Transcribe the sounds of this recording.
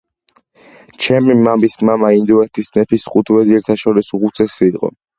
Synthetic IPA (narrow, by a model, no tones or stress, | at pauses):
t͡ʃʰɛmimamismamaind̪uɛt̪ʰisnɛpʰisχut̪ʰwɛziɛɾt̪ʰaʃɔɾisuʁut̪sʰɛsid̪qʼɔ̰